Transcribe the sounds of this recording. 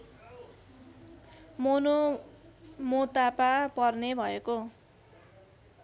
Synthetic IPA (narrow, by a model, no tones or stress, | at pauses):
mono | mot̪apapʌrnebʱʌeko